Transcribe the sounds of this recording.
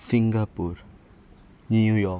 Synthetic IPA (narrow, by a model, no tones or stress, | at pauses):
sĩŋɡapuɾ | nuujɔ